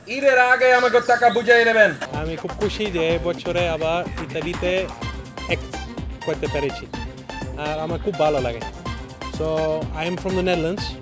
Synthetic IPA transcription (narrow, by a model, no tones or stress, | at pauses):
iɾeɾaɡeamak̬et̪akabud͡ʒajnebenamikʰub̚kʰuʃid͡ʒeejbɔtːt͡ʃʰɔɾeabaɾit̪abit̪e | ɛk̚kɔjt̪epɛɾet͡ʃʰi | aɾamakʰubːʱalolaɡḛnsoajmfɾɔ̃md̪ənɛd̪lans